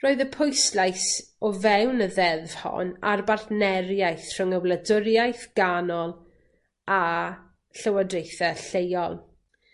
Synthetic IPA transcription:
roːɨðəpʰojslajs | ɔvɛwnəðɛðv̥hɔ̰na̰rbarθnɛɾjajθr̥əŋəwlˠədʊɾjajθɡ̥anɔlˠ | a | ɬəwadrejθɛɬejɔlˠ

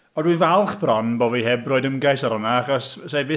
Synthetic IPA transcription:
ɔdwinvalˠχb̥rɔnbɔːvihɛbrɔːɨdəmɡajsaɾɔnaaχɔssejbɪ

